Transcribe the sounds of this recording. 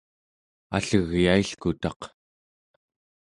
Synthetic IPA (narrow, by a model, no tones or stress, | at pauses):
a̰ɬəɣjaiɬkut̪ɑq